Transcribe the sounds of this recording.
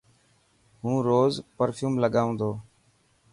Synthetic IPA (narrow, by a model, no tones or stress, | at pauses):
ɦũːɾoːzpəɾfʰjuːmləɠaːũːd̪oː